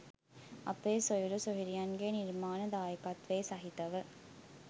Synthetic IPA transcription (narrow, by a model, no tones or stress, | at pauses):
ʔɐpeːsojuɾusoɦiɾijɐnɡeːniɾmaːnɐd̪aːjəkɐt̪ʋeːsɐɦit̪ɐʋə